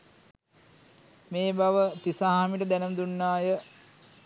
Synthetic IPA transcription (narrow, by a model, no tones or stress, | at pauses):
meːbaʋəp̪isaɦamiʈəd̪ænəmd̪unːaːjə